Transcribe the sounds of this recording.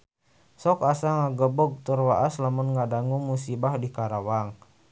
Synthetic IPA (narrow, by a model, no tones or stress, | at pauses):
sɔkasaŋaɡəbɔɡ̚t̪urwaʔaslamʊnŋɡadaŋuŋmusibahdikaɾawaŋ